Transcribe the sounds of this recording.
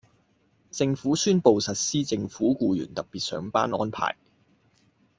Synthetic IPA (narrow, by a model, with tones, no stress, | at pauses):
t͡sɪ˧ŋfuː˨˥syː˥npo˨wsɐ˨t̚siː˥t͡sɪ˧ŋfuː˨˥kuː˧jy̰ː˨˩nt̪ɐ˨p̚piː˨˩t̚sœ̰ː˨˥ŋpa̰ː˥nɔ̰ː˥npʰa̰ː˨˩j